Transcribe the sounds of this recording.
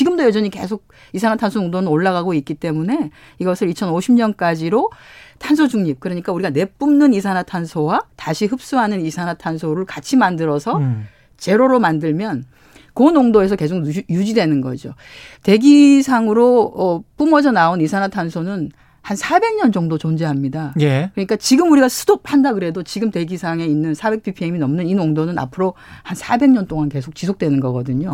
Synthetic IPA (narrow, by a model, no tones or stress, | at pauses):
t͡ɕiɡɯmdojʌd͡ʑʌɲike̞̰sʰoɡ̚ | is̬ʰanatʰansʰonoŋdonɯnoɭːaɣaɡoik͈it͈e̞mune̞ | iɡʌsʰɯɾit͡ɕʰʌnoɕʰimɲʌnk͈ad͡ʑiɾotʰansʰod͡ʑuŋɲip̚kɯɾʌɲik͈auɾiɡane̞p͈umnɯnisʰanatʰansʰowataɕʰiɦɯp̚s͈uɦanɯnisʰanatʰansʰoɾɯɭkat͡ɕʰimandɯɾʌsʰʌ | t͡ɕe̞ɾoɾomandɯɭmjʌn | konoŋdoesʰʌke̞sʰokjud͡ʑidwe̞nɯnɡʌ̰d͡ʑo̰te̞ɡisʰaŋɯɾoʌp͈umʌd͡ʑʌnaonisʰanatʰansʰonɯn | hansʰabe̞ŋɲʌnd͡ʑʌŋdot͡ɕond͡ʑe̞ɦamɲidajekɯɲik͈at͡ɕiɡɯmuɾiɡasʰu̥dop̚ʰhandakɯɾe̞dot͡ɕiɡɯmte̞ɡisʰaŋe̞inːɯnsʰabe̞k̚p͈ipʰieminʌmnɯninoŋdonɯna̰pʰɯɾo | hansʰabe̞ŋɲʌnt͈oŋanke̞sʰok̚t͡ɕ͈isʰok̚t͈we̞nɯnɡʌɡʌdɯɲo